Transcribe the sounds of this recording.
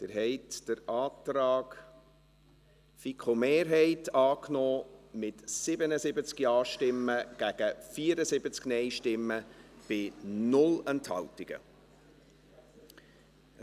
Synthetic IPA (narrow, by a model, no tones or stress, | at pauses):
d̪̥ɪɾɦɛɪtd̥əɾɑːt̪ɾɑːɡ | fikχomeːɾɦɛɪtɑːknɔːmɪtsɪbənəsɪbət͡skjɑːʃtɪmːəɡ̥æɡ̥əfiːəɾəsɪbət͡sknɛɪʃtɪmːəb̥ɪnʊlɛnthɑ̰ltɪɡ̥ə̰